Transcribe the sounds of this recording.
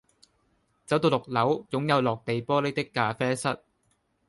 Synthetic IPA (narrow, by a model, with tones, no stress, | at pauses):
t͡sɐ˨˥wt̪o˧wlʊ˨k̚lɐ˨˥wjʊ˨˥ŋjɐ˨˧wlɔː˨k̚t̪e˨jpɔː˥le˥˨˥jt̪ɪ˥kːaː˧fɛː˥sɐ˥t̚